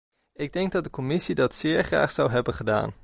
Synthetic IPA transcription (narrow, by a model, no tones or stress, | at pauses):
ɪɡ̚dɛŋɡ̚dɑt̚dəkɔmɪsidɑtsɪːɹχra̰ːχsʌwɦɛbənχəda̰ːn